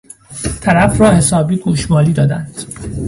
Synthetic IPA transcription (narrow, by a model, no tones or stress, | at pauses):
t̪ʰæɾæfrɒːhe̞sɒːbiːɡuːʃmɒːliːd̪ɒːd̪ænd̪̥